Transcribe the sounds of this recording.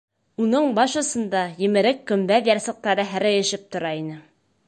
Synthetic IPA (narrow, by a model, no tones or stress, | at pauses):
unɤɴbɑʃɤ̆sɤ̆nd̪ɑjɘ̆mɘ̆ɾɘkːɵ̆mbæβjɑɾsɤ̆q̚t̪ɑɾɤɦæɾæjɘ̆ʃɘp̚t̪ŏɾɑinɘ